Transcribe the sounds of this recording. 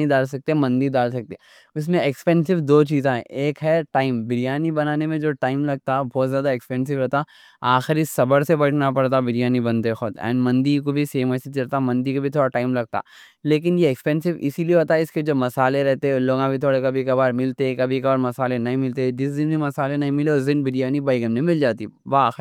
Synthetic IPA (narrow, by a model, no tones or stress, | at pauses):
id̪aːlsɐk̚t̪eɦɛ̃mɐ̃nd̪id̪aːlsɐk̚t̪e | ʊs̬mẽɛkspɛ̃ːnsɪʋd̪oːt͡ʃiːzẽɦɛ̰̃eːkɦɛʈaːɪmbɪɾijaːnibɐnaːnemẽd͡ʒoːʈaːɪmlɐɡ̚t̪aɛbɔːt̪zjaːd̪aɛkspɛ̃ːns̬ɪʋɦoːt̪a | aːxɪɾisɐbəɾsebɐʈʰnapɐɽt̪abɪɾijaːnibɐnt̪exʊd̪ɛ̰̃ːnɖmɐ̃nd̪ikobʱiseːmɐsɪt͡ʃɐɾt̪amɐ̃nd̪ikobʱit̪ʰoːɽaʈaːɪmlɐɡ̚t̪a̰ː | leːk̬ɪnjeːkspɛ̃ːnsɪʋɪ̰silieɦoːt̪aɦɛɪsked͡ʒoːmɐsaːleɾɛɦt̪eɦɛ̃loːɡãbʱit̪ʰoːɽekɐbʱikɐbaːɾmɪlt̪eɛ̃kɐbʱikɐbaːɾmɐsaːlenɐɦĩmɪlt̪eɛd͡ʒɪsd̪ɪnbʱimɐsaːlenɐɦĩmɪleɔːɾzɪ̃nbɪɾjaːnibaːɪɡɛmnẽmɪld͡ʒaːt̪iʋaxɾ